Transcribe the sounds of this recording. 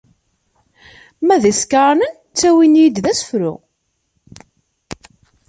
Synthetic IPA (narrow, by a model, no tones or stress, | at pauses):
mæðiskaɾˤnən | t͡sːæwinjəd̪ðæsə̥fɾʊ̰